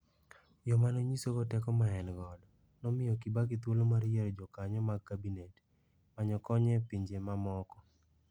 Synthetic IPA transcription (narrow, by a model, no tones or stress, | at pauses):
jɔmanoɲisoɡɔtɛkɔmaɛnɡɔd | nɔmɪjɔkibakɪt̪wolomaɾjeɾod͡ʒɔkaɲɔmaɡkːabinet | maɲɔkɔɲɛpiɲd͡ʒemamɔkɔ